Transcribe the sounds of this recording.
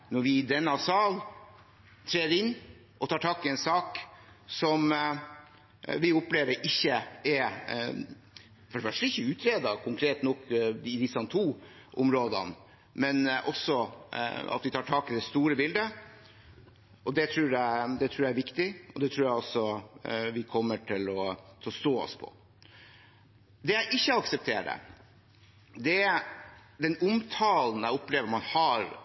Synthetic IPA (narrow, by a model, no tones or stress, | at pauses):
nɔɾʋɪd̪ɛnːɑsɑːl | t̪ʰɾeːɪnː | ʔɔt̪ʰɑːʈʰɑːkɪɛnsɑːk | sɔm | ʋɪʊpleːʋəɾʔɪçːəɛɾ | fɔɖəfœʂʈəɪçːəʉːt̪ʰɾeːd̪ɑkʰʊŋkʰɾeːt̪nɔkːɪd̪ɪsːɑnt̪ʰuː | ʔʊmɾoːd̪ə̰n | mɛnʔɔsɔ | ɑ̰t̪ʋɪt̪ʰɑːʈʰɑːkɪd̪ɛst̪uːɾəbɪld̪ə | ɔd̪ɛt̪ʰɾuːɾæɪd̪ɛt̪ʰɾuːɾjææɾʋɪkt̪ɪɔd̪ɛt̪ʰɾuːɾjæɪɔsːɔʋɪkʰɔmːəʈʰɪlɔt̪ʰɛɔst̪oːɔ̰spʰɔ̰ | d̪ɛjæɪʔɪçːəɑksɛp̚t̪ʰḛːɖə̰ | d̪ɛæ | d̪ɛnʊmt̪ʰɑːln̩æɪʊpleːʋəɾmɑnhɑɾ